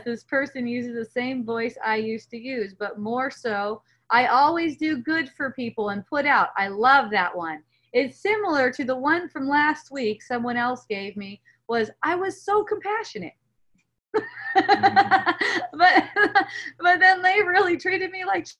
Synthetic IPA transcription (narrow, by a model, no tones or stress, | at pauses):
t̪̚ðɪspʰɜ˞sɨ̃njʉzɨzðɨsẽɪ̃ɱvɔɪsa̰ɪjʉstɨjʉzbʌt̚mɔɹsoʊ | ʔaɪʔɔlˠwizdɨɡʊd̥fə˞pʰipl̩ˠə̃npʰʊɾaʊta̰ɪlʌvðɨʔwʌ̃n | ɪtsɪ̃ml̩ˠə˞ɾɨðəwʌ̃nfɹʌ̃mlæst̚wiksʌ̃mwʌ̃ñɛlˠsɡ̥eɪvmi | wʌzʔaɪwʌz̥soʊkʰə̃m̩pʰæʃɨnɨ̰t̚ | b̥ʌt̚ | b̥ʌt̪̚ðɨ̃nðeɪɹɪlˠitʰɹ̥iɾɨd̚milaɪk